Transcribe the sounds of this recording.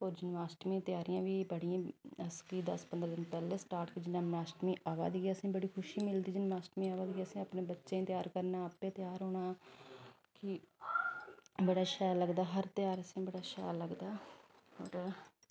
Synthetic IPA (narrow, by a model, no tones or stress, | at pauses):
oːɾd͡ʒɪnmaːsʈmĩːt̪ɪjaːɾɪjãːʋiːbəɽijãːəskiːd̪əspənd̪ɾd̪ɪnpɛːleːsʈaːɾʈkid͡ʒɪnãːmlaːsʈmĩːʔaːʋa̰ːd̪ɡːəsĩːbəɽiːkʰʊʃiːmɪld̪iːd͡ʒɪnmaːsʈmĩːaːʋaːd̪ɡiːəsĩːəpnẽːbətːʃẽːt̪jaːɾkəɾnaːəpeːt̪ɪjaːɾɦoːɳaː | kɪ | bəɽaːʃɛːləɡd̪aːɦəɾt̪ɪjaːɾəsĩːbəɽaːʃɛ̰ːɾləɡd̪aː | o̰ːɾ